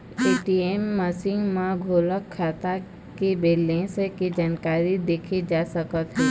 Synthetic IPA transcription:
eːʈiemːəsɪ̃ŋɡmãɡʱoːləkʰːaːt̪a | kebeːlẽseked͡ʒaːnkaːɾid̪eːkʰed͡ʒaːsəkət̪ɦɛ̃ː

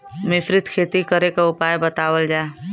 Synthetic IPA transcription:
mɪsɾɪt̪kʰeːt̪ikəɾekaʊpaːjbət̪aːwəld͡ʒaːe

